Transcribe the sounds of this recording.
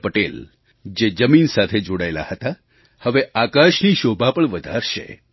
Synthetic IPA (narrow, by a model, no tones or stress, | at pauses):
pəʈel | d͡ʒed͡ʒəminsat̪ʰed͡ʒoɽajla̰hət̪a | həʋeakaʃniʃobʱapəɳʋəd̪ʱaɾʃḛ